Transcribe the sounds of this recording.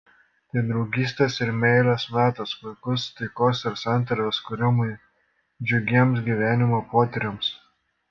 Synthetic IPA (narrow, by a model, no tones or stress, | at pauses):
t̪ɐɪd̪ɾɔʊɡʲiːsʲt̪ʲesɪɾmʲɛɪlɐsmʲæːt̪ɐsʋʊɪkʊst̪ɐɪkoːsɪɾsɑˑnʲˑt̪ɐɾʲoːskʊɾʲɪmʊɪ | d͡ʒʲʊɡʲiɛms̬ɡʲiːˑʋʲæːnʲɪmoːpoːt̪ʲɛɾʲɛms